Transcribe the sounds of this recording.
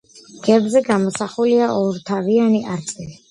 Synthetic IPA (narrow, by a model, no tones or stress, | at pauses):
ɡ̥ɛbzɛɡamɔsaχuliaʔɔɾt̪ʰavianiʔaɾt̪sʼɛli